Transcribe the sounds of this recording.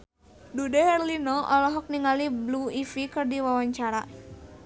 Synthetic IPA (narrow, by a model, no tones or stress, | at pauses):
dudɛhɛrlinɔʔɔlɔɦɔk̚niŋalibluifikɨrdiwawaɲt͡ʃaɾa